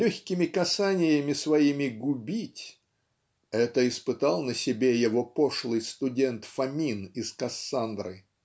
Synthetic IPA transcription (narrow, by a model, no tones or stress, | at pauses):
lʲɵxʲkʲɪmʲɪkɐsanʲɪjəmʲɪsvɐimʲɪɡʊbʲitʲ | ɛt̪əɪspɨt̪alˠnəsʲɪbʲejɪvopoʂlˠɨjst̪ʊdʲent̪fɐmʲinɪskɐsːand̪ɾɨ